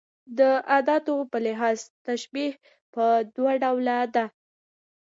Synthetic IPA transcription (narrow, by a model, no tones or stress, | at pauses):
d̪əʔad̪ɑt̪opəlɪɦɑzt̪aʃbih | pəd̪waɖawlad̪a